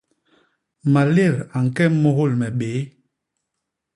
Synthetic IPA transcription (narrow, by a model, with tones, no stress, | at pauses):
ma˨le˦˨ɾa˨ŋ˨kɛ˦mɔ˨ɣo˦˨lmɛ˨ɓeː˨˦